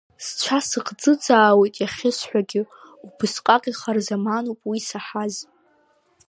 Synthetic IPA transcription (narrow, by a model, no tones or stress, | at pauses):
st͡ʃʷʰasɨqʰʼd͡zɨd͡zʼaːwejtʼjaχʲɪsħʷᶣaɡʲɪ | ubɨsqʼaqʲʼiχarzamanupʼwisaħaz